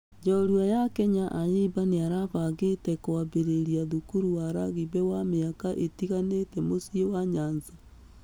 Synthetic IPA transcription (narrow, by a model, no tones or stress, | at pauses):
d͡ʒɔɾwajakɛɲaʔaɲeβaneaɾaβaɣetɛkoaβeɾeɾiaðukuɾuwaɾaɣiβɛwameakaʔetiɣanetɛmosiowaɲanza